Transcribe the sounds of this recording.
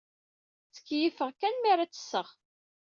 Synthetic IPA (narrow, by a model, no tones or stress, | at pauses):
t͡sə̥kːjifəʁkænmiɾat͡sːə̥sːəʁ